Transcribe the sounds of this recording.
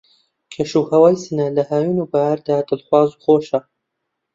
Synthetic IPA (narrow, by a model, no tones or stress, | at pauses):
kʲʰeʃuːhɐwaːjsɨnɐlɐhaːjunubaaɾd̪aːd̪ɨlχwɑːzuχoːʃɐ